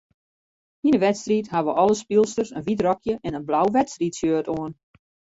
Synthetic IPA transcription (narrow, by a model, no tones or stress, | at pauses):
hinəʋɛtstrithaʋəʔɔlˠəspilˠstərsənʋitrɔkjəʔɛnənblawʋɛtstritsjøətoən